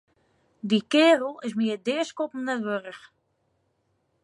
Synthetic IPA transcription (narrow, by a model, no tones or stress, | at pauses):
dikɪːrəl̩ˠɪs̬miədɪəskopən̩əʋørəx